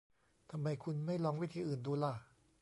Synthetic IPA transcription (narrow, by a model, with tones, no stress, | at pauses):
t̪ʰa˧mːa˧jkʰu˧nma˥˩jlɔː˧ŋwi˦˥˩t̪ʰiː˧ʔɯː˨˩nduː˧la˧˩